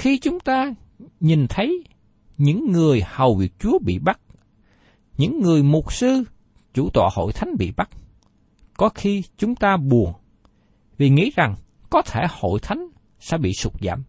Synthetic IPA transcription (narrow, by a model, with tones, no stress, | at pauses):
xi˧t͡ɕʊ˨˦ŋ͡mt̪aː˧ | ɲi˨˩nt̪ʰə˨˦j | ɲɨ̰˧˥ŋːɨ˨˩əjhə˨˩wvi˨˩ək̚t͡ɕu˨˦əɓḭ˧˨ɓa˦˥t̚ | ɲɨ̰˧˥ŋːɨ˨˩əjmʊ˨˩t̚sɨ˧ | t͡ɕu˧˩t̪wa̰ː˧˨ho̰˧˨jt̪ʰa˨˦jŋ̟ɓḭ˧˨ɓa˦˥k̚ | kɔ˨˦xi˧t͡ɕʊ˨˦ŋ͡mt̪aː˧ɓu˨˩əŋ | vi˨˩ŋḭ˧˥za˨˩ŋ | kɔ˨˦t̪ʰe˧˩ho̰˧˨jt̪ʰa˨˦jŋ̟ | sɛ̰˧˥ɓḭ˧˨sʊ˦˩k͡p̚za̰ː˧˨m